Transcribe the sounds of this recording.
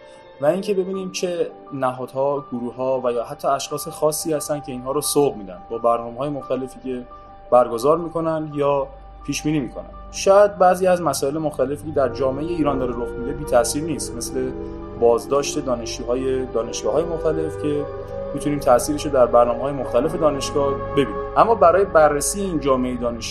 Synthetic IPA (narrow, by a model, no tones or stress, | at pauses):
væiŋcʰe̞be̞biːniːmt͡ʃʰe̞ | næɦɒːd̪̥hɒːɡ̥oɾuhɒːvæjɒːɦæt̪ʰːɒːæʃxɒːsexɒːsːiːhæst̪ænd̪̚cʰe̞iːnɦɒːɾosobmiːd̪æ̰nd̪̚bɒːbæɾnɒːmeɦɒːje̞moxt̪æle̞fiːcʰe̞ | b̥æɾɡozɒːɾmiːko̞nænd̪jɒː | pʰiːʃbiːniːmiːkʰo̞̰næ̰nnd̪ʃɔːæd̪̚bæziːæzmæsɒːelemoxt̪æle̞fiːcʰe̞d̪æɾd͡ʒɒːmeejeiːɾɒːnd̪ɒːɾeɾoxmiːd̪e̞biːt̪ʰæʔsiːɾniːst̪me̞sle̞ | bɒːzd̪ɒːʃt̪e̞d̪ɒːne̞ʃt͡ʃuɦɒːjed̪ɒːne̞ʃɡ̥ɒːɦɒːjemoxt̪æle̞fcʰe̞ | miːt̪ʰuniːmt̪ʰæʔsiːɾeʃod̪æɾbæɾnɒːmeɦɒːje̞moxt̪æle̞fe̞d̪ɒːne̞ʃɡ̥ɒːh | be̞biːniːmʔæmːɒːbæɾɒːje̞bærːesiːjeiːnd͡ʒɒːmeejed̪ɒːneʃ